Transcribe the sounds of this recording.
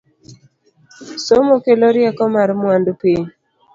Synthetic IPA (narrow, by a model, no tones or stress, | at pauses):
somokeloɾjakɔmaɾmwandupeɲ